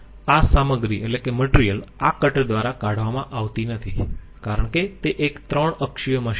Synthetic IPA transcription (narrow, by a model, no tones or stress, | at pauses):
asaməɡɾielekeməʈɾijəlakəʈd̪ʋaɾakaɽ̤ʋamãʔaʋt̪inət̪ʰi | kaɾəɳket̪eʔekt̪ɾəɳəkʃijəməʃ